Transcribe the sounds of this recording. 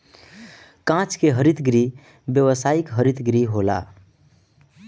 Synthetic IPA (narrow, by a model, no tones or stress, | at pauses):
kãt͡ʃʰkeɦəɾit̪ɡɾi | bjəwəsaikɦəɾit̪ɡɾiɦola̰